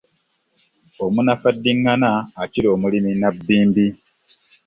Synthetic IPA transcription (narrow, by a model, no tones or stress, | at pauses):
omunafadːiŋːanaːciɾo̞ːmuliminabːiːmbi